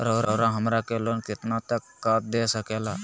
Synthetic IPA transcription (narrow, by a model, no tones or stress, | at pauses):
ɾəwɾəɾãɦəmɾakelonkɪt̪nat̪əkːaːt̪̚d̪esəkɛla